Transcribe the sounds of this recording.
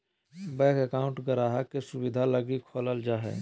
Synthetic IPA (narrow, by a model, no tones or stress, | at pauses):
bɛːkɛkaʊ̃ɳʈɡəɾaːɦakesubid̪ʱaləɡikʰoləld͡ʒaːɦɛ̰